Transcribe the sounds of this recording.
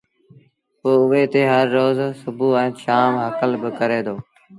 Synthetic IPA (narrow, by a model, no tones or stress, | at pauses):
poːʊʋeːt̪eːɦəɾːoːzsʊbuːɛ̃ːʃaːmɦəkəlbɪkəɾeːd̪oː